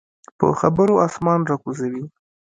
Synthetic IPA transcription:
pə̰xabəɾoɑsmɑnɾɑkuzawi

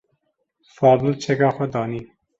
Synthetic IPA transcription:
fɑːbult͡ʃʰeɡɑːxod̪ɒːni

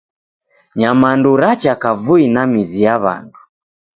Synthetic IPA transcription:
ɲamanduɾat͡ʃakavuinamizijaβa̰ndu

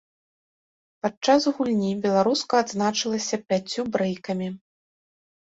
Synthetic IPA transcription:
pat͡ʂazɣulʲnʲibʲɛlˠaɾuskɐːd̪znat͡ʂɨlˠɐsʲɐpʲat͡sʲːubɾɛjkɐmʲi

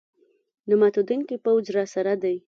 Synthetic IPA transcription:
nʊmat̪od̪uŋkipawd͡ʒɾɑsaɾad̪aj

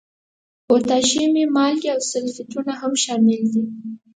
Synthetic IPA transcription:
ot̪ɑʃememɑlɡiawsʊlfɪtunaɦamʃɑmɪld̪i

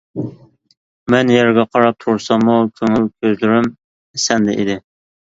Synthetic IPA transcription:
mɛnjɛɾɡʲɛqʰɑɾɑp̚t̪ʰuɾsɑmukʲʰøŋylkʲʰøzlyɾym | esɛnd̪ɛʔḭd̪ɪ

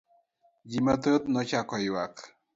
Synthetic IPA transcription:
d͡ʑimət̪ət̪nɔt͡ɕakɔjwak

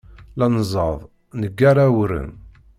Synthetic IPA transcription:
lɑnzˤɑðˤ | nəɡːaɾˤawəɾə̰m

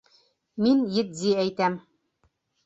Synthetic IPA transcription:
minjɘ̆t̪̚d̪iæjt̪æm

